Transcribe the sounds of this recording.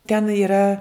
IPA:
tʲɛn iːˈrɐ

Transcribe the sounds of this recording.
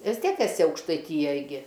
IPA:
ˈʋʲɪs ˈtʲiɛk ɛˈsʲɪ ɐʊkʃtɐɪˈtʲiːjɛj ɡʲɪ

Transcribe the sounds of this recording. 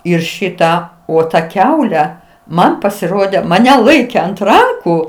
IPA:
ˈɪr ˈʃʲɪtɑː oː tɐ ˈkʲɛʊlʲɛ ˈmɐn pɐsʲɪˈroːdʲɛ mɐˈnʲɛ ˈlˠɐɪkʲɛ ɐnt ˈrɐŋkuː

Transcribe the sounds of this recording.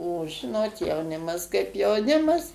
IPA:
oː ˈʒʲɪnoːt jɛʊˈnʲɪmɐs kɐɪp jɛʊˈnʲɪmɐs

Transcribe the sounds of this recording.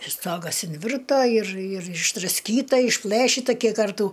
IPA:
ɪr ˈstoːɡɐs ɪnʲˈʋʲɪrtoː ɪr ɪr ɪʒdrɐsʲˈkʲiːtɐ ɪʃˈplˠɘʃʲɪtɐ ˈkʲiɛk ˈkɐrtuː

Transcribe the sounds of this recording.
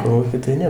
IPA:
ˈkoːlˠuːkʲiː tɐɪ ˈnʲɛ

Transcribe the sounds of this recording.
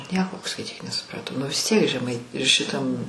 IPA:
ˈnʲiɛkoː skɐɪˈtʲiːk nʲɛsʊprɐˈtɐʊ nʊ ʋʲɪs ˈtʲiɛk ʒʲɛˈmɐɪ ʃʲɪˈtɐm

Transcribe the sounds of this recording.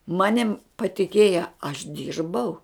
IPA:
ˈmɑːnʲɪm pɐtʲɪˈkʲeːjɛ ɐʃ ˈdʲiːrbɐʊ

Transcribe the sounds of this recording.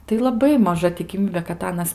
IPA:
tɐɪ lˠɐˈbɐɪ mɐˈʒɐ tʲɪkʲɪˈmʲiːbʲeː kɐt ˈɑːnɐs

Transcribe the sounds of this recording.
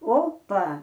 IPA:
ˈoːpɐ

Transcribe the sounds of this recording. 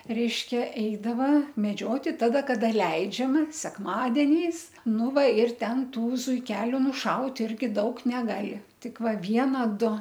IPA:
ˈrʲɛɪʃʲkʲɛ ˈɛɪdɐʋɐ mʲɛˈd͡ʒʲoːtʲɪ ˈtɑːdɐ ˈkɑːdɐ ˈlʲɛɪd͡ʒʲɛmɐ sʲɛkˈmɑːdʲɛnʲɛɪs ˈnʊ ˈʋɐ ɪr ˈtʲɛn ˈtuː zʊɪˈkʲæːlʲʊ nʊˈʃɐʊtʲ ˈɪrʲɡʲɪ ˈdɐʊk nʲɛˈɡɑːlʲɪ ˈtʲɪk ˈʋɐ ˈʋʲiɛnɐ ˈdʊ

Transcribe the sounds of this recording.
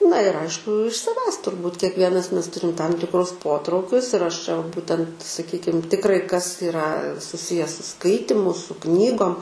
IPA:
nɐ ɪr ˈɐɪʃkʊ ɪʃ sɐˈʋʲæːs tʊrˈbuːt kʲiɛkˈʋʲiɛnɐs ˈmʲɛs ˈtʊrʲɪm tɐm tʲɪkˈrʊs ˈpoːtrɐʊkʲʊs ɪr ɐʃ t͡ʃʲɛ ʋɐ ˈbuːtʲɛnt sɐˈkʲiːkʲɪm tʲɪkˈrɐɪ kɐs ɪˈrɐ sʊˈsʲɪjɛ sʊ ˈskɐɪtʲɪmʊ sʊ ˈknʲiːɡoːm

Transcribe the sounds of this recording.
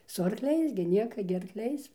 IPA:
sʊ ɐrkˈlʲɛɪs ɡʲɪ ˈnʲiɛkɐ ɡʲɪ ɐrkˈlʲɛɪs

